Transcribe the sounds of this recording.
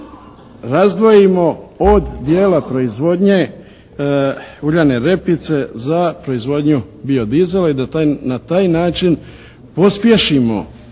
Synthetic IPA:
ɾazd̪ʋo̞jimo̞od̪d̪je̞ːlapɾo̞izʋo̞d̪ɲe | uʎane̞ɾe̞pit̪se̞zapɾo̞izʋo̞d̪ɲubio̞d̪ize̞laid̪at̪nat̪aːjnaːt͡ʃin | po̞spje̞ʃimo̞̰

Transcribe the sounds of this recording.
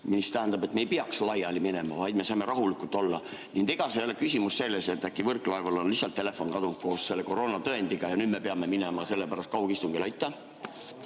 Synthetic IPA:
mist̪æɦænd̪ɑbe̞t̪mejpiɑkslɑjɑlimine̞mɑvɑjd̪̥me̞sɑjme̞ɾɑɦulikːˑult̪ːˑo̞lːɑ | nind̪̥iɡ̥ɑsejolekysimusːe̞lːese̞t̪ːækːˑivɤrkˑlɑevɑlo̞nlihsɑlt̪ːe̞le̞fo̞nkɑd̪unk̚ko̞ːsse̞lːeko̞ɾo̞ːnɑt̪ɤend̪̥iɡ̥ɑjɑnyːd̪̥me̞peɑme̞minemɑse̞lːepæɾɑst̪kɑhukist̪uŋɡelɑjt̪ːˑɑ

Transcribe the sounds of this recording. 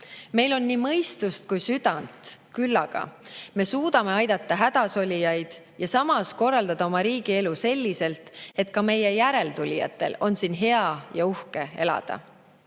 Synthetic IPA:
me̞jlo̞nːimɤ̞jst̪ust̪̚kujsyd̪̥ɑnt̪kylːɑɡ̥ɑ̰me̞suːd̪̥ɑme̞ɑjd̪̥ɑt̪ːɑɦæd̪̥ɑso̞lʲijɑjd̪̥ | jɑsɑmɑsko̞rːɑld̪ɑd̪ɑo̞mɑɾiːɡ̥ie̞luse̞lʲːise̞lt̪ˑe̞t̪ːkɑme̞je̞jæɾe̞lt̪ulʲijɑ̰t̪ːˑe̞̰lo̞nsinɦe̞ɑjɑuhke̞e̞̰lɑ̰d̪̥ɑ̰

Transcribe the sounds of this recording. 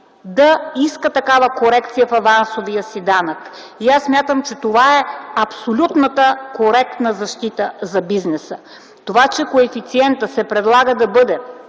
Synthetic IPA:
d̪ɐiskət̪ɐkavəkoɾɛkt̪sijəfɐvansovijəsid̪anək | iasːmʲjat̪əmt͡ʃɛt̪ovaɛɐpsolʲut̪nət̪əkoɾɛk̚t̪nəzɐʃt̪it̪əzɐbiznɛsə | t̪ovat͡ʃɛkoɛfit̪siɛnt̪əsɛpɾɛd̪lˠaɡəd̪ɐbɤd̪ɛ

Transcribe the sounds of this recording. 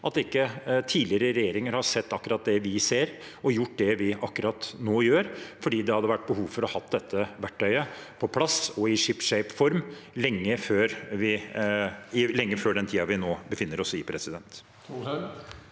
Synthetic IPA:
ʔɑt̪ɪkːət̪ʰiːlɪəɾəɾɛjeːɾɪŋəɾhɑsɛt̪ːɑkːəɾɑt̪̚d̪ɛʋɪseːɾ | ɔjʊʈ̚ːd̪ɛʋɪʔɑkːəɾɑt̪noːjøːɾfɔɖiːd̪ɛhɑd̪ːəʋæʈːbəhuːʋfɔɾɔhɑt̪d̪ɛt̪ʰːəʋæʈʰːœʏəpʰɔpʰlɑsɔɪʂɪpʂɛɪpfɔɾmlɛŋːəføːɾʋɪ | ɪlɛŋːəføːɖɛnt̪ʰiːɑʋɪnoːbəfɪnːəɾɔsɪpʰɾɛsɪd̪ɛnt̪

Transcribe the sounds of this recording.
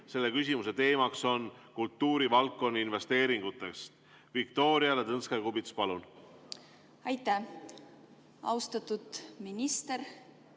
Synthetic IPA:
se̞lːe̞kys̬ʲimuse̞t̪e̞ːmɑkso̞nkult̪ːuːɾivɑlkːo̞nːiinve̞st̪e̞ːɾiŋɡ̥ut̪ːˑe̞ks | vikt̪o̞ːɾiɑlet̪ɤnskekubit̪spɑlun | ɑjt̪ːæ | ɑ̰wst̪ɑt̪ud̪̥minist̪eɾ

